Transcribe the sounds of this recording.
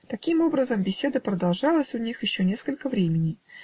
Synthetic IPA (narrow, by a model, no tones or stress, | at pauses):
t̪ɐkʲimo̞bɾəzəmbʲɪsʲe̞d̪əpɾəd̪ɐlˠʐɑlˠəsʲʊnʲixjɪɕːonʲe̞skəlʲkəvɾʲemʲɪnʲɪj